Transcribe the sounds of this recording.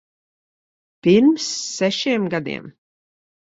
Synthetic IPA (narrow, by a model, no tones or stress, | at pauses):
piɾmsːɛʃiɛmɡad̪ḭɛm